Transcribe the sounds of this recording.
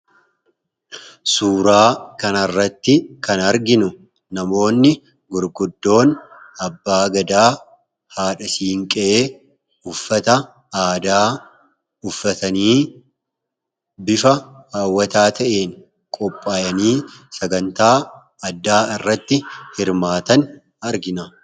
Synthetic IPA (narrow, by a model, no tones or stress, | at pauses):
suːɾaːkɐnɐrːɐt̪ːɪkɐnɐɾɡɪnʊ | nɐmo̞ːnːɪ | ɡʊɾɡʊd̪ːo̞ːnʔɐbːaːɡɐd̪aː | haːᶑɐsiːŋkʼɛʔeː | ʊfːɐt̪ɐ | aːd̪aː | ʊfːɐt̪ɐniː | bɪfɐaːwːɐt̪aːt̪ʰɐʔeːn | kʼɔpʼːaːjɐniːsɐɡɐnt̪aː | ɐd̪ːaːɪrːɐt̪ːɪhɪɾmaːt̪ɐn | ɐɾɡɪnɐ